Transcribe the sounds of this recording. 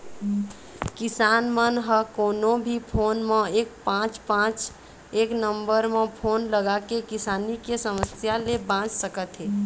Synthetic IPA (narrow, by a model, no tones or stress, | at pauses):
kisanmənɦəkonobʱipʰonmeek̚pãt͡ʃpãt͡ʃ | eknəmbəɾmepʰonləɡakekisanikesəməsjalebãt͡ʃsəkət̪ɦe